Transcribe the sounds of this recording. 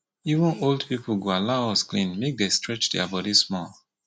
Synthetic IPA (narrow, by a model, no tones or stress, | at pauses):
ivə̃noldpip̩ɡoalaʊɔsklĩnmek̚destɹɛt͡ʃdɛabɔdismɔl